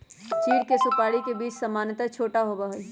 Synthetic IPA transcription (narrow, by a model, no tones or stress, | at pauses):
t͡ʃiːɽkesʊpaːɽikebiːt͡ʃsɐmaːnət̪at͡ʃʰoːʈaɦoːbaɦo